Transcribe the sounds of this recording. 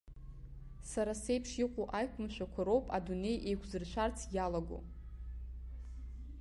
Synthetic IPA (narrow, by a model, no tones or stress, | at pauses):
saɾasejpʰʂiqʷʼoʔajkʷʰʊmʃʷᶣakʷʰaɾo̞wpʼadune̞jʔe̞jkʷʰzɨrʃʷʰart͡sʰjalaɡo̰